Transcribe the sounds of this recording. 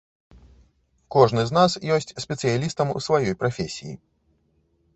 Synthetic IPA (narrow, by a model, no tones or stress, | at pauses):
kɔʐnɨzn̪asjɔsʲt͡sʲsʲpʲɛt̪sɨjalʲist̪ɐmṵsvajɔjpɾafʲɛsʲijḭ